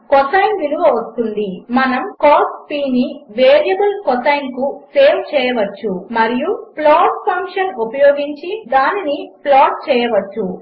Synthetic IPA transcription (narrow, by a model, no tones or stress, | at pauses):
kɔt̪ɐjnʋiluʋɐʋɐst̪und̪imɐnɐmkoːspiːniʋeːɾijɐbɐlkɔt̪ɐjnkuseːmt͡ʃɛːjɐʋɐt͡ʃːumɐɾijuplaːʈpʰɐŋkʂɐnupɐjoːɡiɲt͡ʃid̪aːniniplaːʈ̚t͡ʃɛːjɐʋɐt͡ʃːu